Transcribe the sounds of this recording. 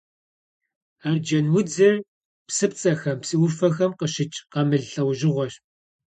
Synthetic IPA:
aːrd͡ʒɐnwʊd͡zɐr | psɨp̚t͡sʼɐxɐmpsiwʊfɐxɐmqəɕɪt͡ʃʼqɐmɨɮɬɐwʒɪʁʷɔɕ

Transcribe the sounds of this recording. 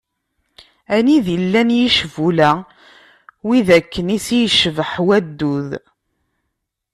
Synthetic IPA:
æniðilːænjiʃvulæ | wiðækːənisijʃəvəħwæd̪ːuð

